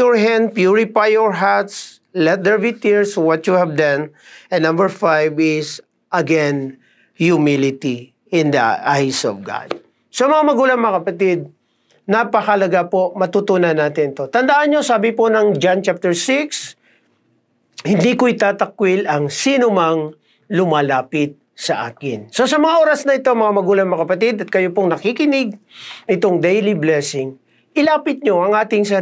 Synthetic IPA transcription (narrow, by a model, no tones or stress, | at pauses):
ɔɹɦɛ̃nd̪̚pjuɹɪpajːɔɹɦat̪s | lɛt̪̚d̪ɛɹbit̪ɪɹswɔt̪juhɛvd̪ɐ̃nʔɛ̃nnːɐ̃mbɛɹfajvɪs | ʔɐɡɛn | jumilɪt̪i | ɪ̃nd̪ɐ̰ʔajsɔ̰vɡa̰d̪̥̚ | somɐŋamɐɡuːlɐŋmɐŋakɐpɐt̪ɪd̪̚ | napɐkɐlɐɡapomɐt̪ut̪unɐnːaːt̪ɪnɪt̪o̞t̪ɐnd̪aʔɐnɲosaːbɪponɐŋd͡ʒant͡ʃap̚t̪ɛɹsɪks | hɪnd̪ikoʔɪt̪aːt̪ɐk̚wɪlʔɐŋsiːnomɐŋ | lʊmaːlaːpɪt̪̚sɐʔa̰ːkɪnso̞sɐmɐŋaʔoːɾɐsnɐɪt̪oŋmɐŋamɐɡuːlɐŋmɐkɐpɐt̪ɪd̪ɐt̪̚kɐjopoŋnɐkikɪnɪɡ̚nɪt̪oŋd̪ɛjliblɛsɪŋ | ʔɪlaːpɪt̪̚ɲo̞ʔɐŋʔaːt̪ɪŋsɐ